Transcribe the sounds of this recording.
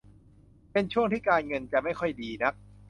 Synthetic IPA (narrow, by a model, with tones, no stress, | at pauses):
pe˧nt͡ɕʰu˥˩əŋt̪ʰiː˥˩kaː˧nŋɤ˧nt͡ɕa˨˩ma˥˩jxʰɔ˥˩jdiː˧na˦˥k̚